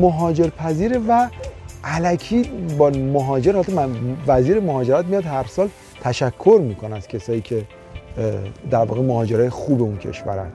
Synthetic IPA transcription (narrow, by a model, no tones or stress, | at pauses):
moɦɒːd͡ʒe̞ɾpʰæziːɾevæʔælæcʰiːbɒːmoɦɒːd͡ʒeɾhɒlt̪ʰɒmævæziːɾemoɦɒːd͡ʒe̞ɾæt̪̚mijɒːd̪hæɾsɒːl | t̪ʰæʃækʰːo̞ɾmiːkʰonææz̥cʰe̞sɒːjiːcʰe̞ | d̪æɾvɒ̰ːɣemoɦɒːd͡ʒe̞ɾɒːjexuːbe̞uncʰḛʃvæ̰ɾæ̰nd̪